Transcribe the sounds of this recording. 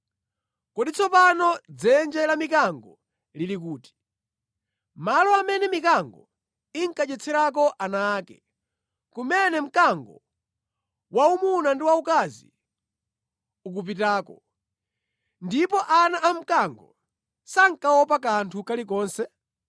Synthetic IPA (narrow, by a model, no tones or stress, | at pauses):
kɔɗit͡sʰɔpanɔd͡zɛnd͡ʒɛlamikaŋɡɔ | lilik̬uːti̥ | malɔamɛnɛmikaŋɡɔ | iŋkat͡ʃɛt͡sʰɛɾak̬ɔʔanaːkɛ | kumɛnɛm̩kaŋɡɔ̰ | waumunandiwaukazḭ | uk̬up̬itaːkɔ̰ | ndipɔʔanaʔam̩kaŋɡɔ | saŋkawɔpak̬antʰukalik̬ɔːnsɛ